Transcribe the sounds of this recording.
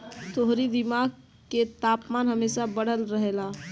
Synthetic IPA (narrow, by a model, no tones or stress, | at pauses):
t̪oɦɾid̪imaɡ̚ | ket̪aːpmaːnɦəmeːsabəɽ̤əlɾəɦela